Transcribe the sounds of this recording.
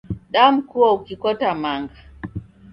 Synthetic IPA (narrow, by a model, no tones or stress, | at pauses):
ɗam̩kuwaukikɔtamaŋɡa